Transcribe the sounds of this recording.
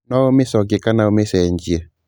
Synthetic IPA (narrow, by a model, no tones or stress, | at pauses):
nɔomɪsɔɡɪkanaomesɛɲd͡ʒie